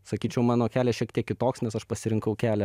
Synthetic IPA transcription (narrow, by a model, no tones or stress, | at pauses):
sɐkʲiːt͡ʃʲɛʊmɑːnoːkʲæːlʲɛːʃʲiɛk̚t̪ʲiɛkʲɪt̪oːksnʲɛsɐʃpɐsʲɪɾʲɪŋkɐʊkʲæːlʲɛ